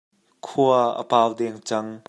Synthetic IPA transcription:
kʰuəʔə̰paːwd̪ɛŋt͡sɐŋ

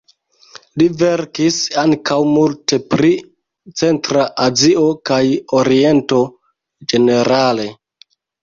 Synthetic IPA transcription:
liveɾkisaŋkawmulte̞pɾi | t͡se̞ntɾaʔazio̞kajoɾie̞nto̞ | d͡ʒe̞ne̞ɾale̞

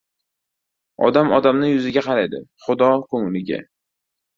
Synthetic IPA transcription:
ɒ̰d̪amɒd̪amnɪjʊzɪɡʲaqʰɑɾajd̪ɪ̰χʊd̪ɒkʰɵŋlɪɡʲɪ̰

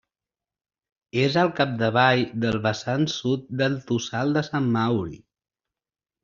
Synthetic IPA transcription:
ezəlˠkap̚d̪əβ̞ajðəlˠβəsansut̪̚d̪əlˠt̪usalˠd̪əsamːawɾḭ

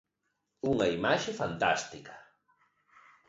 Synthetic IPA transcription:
ʊŋajmaʃɪfant̪a̰st̪ɪkḁ

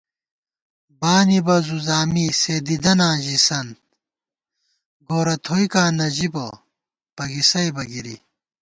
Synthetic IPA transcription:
baːnibɐzuzaːmiseːd̪id̪ɐnaːʑisɐnt̪̚ | ɡoːɾɐt̪ʰoːjkaːnɐʑibɐ | pɐɡisɐjbɐɡiɾḭ

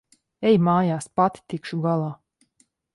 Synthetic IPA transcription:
ɛjmaːjaːspat̪i̥t̪ikʃuɡalˠaː

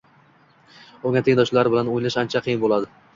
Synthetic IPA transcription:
oŋʲat̪ʰɪŋnd̪ɒʃlaɾɪbɪlanojlɪʃant͡ʃʰaqʰɨjɪnbolˠad̪ɪ

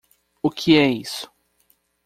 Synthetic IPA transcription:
ʊkʰɪɛisʊ̥

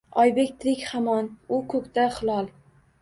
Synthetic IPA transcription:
ɒjbekʲt̪ʰɾɪkʲhamɒnʊkʰɵkʲt̪aχɨlˠɒlˠ

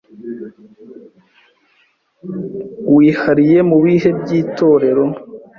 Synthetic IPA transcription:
wiːhaɾije̞muβiːhe̞bɟiːto̞ɾe̞ɾo̞

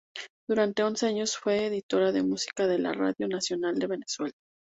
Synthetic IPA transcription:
d̪̥uɾant̪e̞o̞nse̞aɲo̞sfwe̞ːðit̪o̞ɾaðe̞musi̥kaðe̞la̰ra̰ðjo̞nasjo̞nald̪e̞βe̞ne̞swe̞la

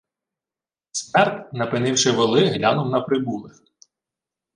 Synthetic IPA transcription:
smɛrt̪ʲnɐpɪnɪwʃɪʋelˠɪɦlʲanɔmnɐpɾɪbulˠɪx

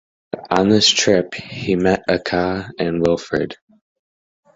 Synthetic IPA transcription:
ə̃n̩ðɪstʰɹ̥ɪphimɛɾɨkʰɑɨ̃nwɪlˠfə̰˞d̥

